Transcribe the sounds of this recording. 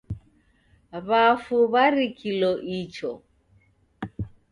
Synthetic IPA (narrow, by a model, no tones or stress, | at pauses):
βafuβaɾikʰilɔʔit͡ʃɔ